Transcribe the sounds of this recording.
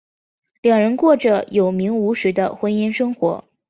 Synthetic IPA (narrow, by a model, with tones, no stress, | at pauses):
ljɑ˨˩ŋɻə˧˥nkwɔ˥˩ʈ͡ʂə˩jo˨˩ʊmi˧˥ŋu˧˥ʂɻ̩˧˥d̪ə̰˧xwə˥ni˥nʂɤ˥ŋxwɔ̰˧˥